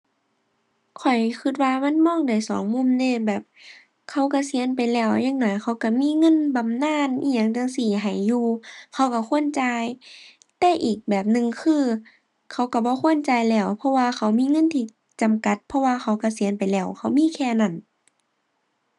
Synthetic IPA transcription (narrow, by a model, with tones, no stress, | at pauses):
kʰɔ˨˩jkʰɯ˧t̪̚waː˧ma˧˥˨nmɔː˧˥˨ŋda˨˩˨jsɔː˨˦ŋmu˧˥˨mdeː˧˨bɛː˨˩p̚ | kʰa˧˩wka˧˩si˨˦ənp̬a˨jlɛː˧˩˨wjaː˧˨ŋ̚nɔː˧˨˦jkʰa˧˥˦wka˧˩miː˧˥˨ŋɤ˧˥˨nba˨mnaː˧˥˨nʔiː˧˨ɲaː˧˩˨ŋt͡ɕa˧ŋsiː˧˩ɦa˨˩jːuː˧kʰa˧˩wka˧˩kʰu˧˥˨ə˨nt͡ɕa˧j | t̪ɛː˧˩ʔiː˨˩k̚bɛː˨˩p̚nɯ˧ŋkʰɯː˧˨ | kʰa˧˩wka˧˩bɔː˧˦xʰu˧˥˨ə˨nt͡ɕa˨˧jlɛː˧˩wpʰɔ˧waː˧ka˧˩wmiː˧˥˨ŋɤ˧˥˨nt̪ʰiː˧ | t͡ɕa˨mka˧˦t̪̚pʰɔ˧waː˧xʰa˧˦wka˧˩si˨˦ənpa˨jlɛː˧˩wkʰa˧˥˩wmiː˧˥˨kʰɛː˧na˧˩˨n